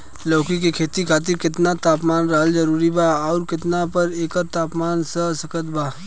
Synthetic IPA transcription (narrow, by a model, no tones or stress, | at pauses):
loːkikekʰeːt̪ikʰaːt̪ɪɾkɪt̪nat̪aːpmaːnɾɐɦəld͡ʒɐɾuːɾibʱaːɔːɾkɪt̪napɐɾeːkəɾt̪aːpmaːnsəsɐkət̪bʱaː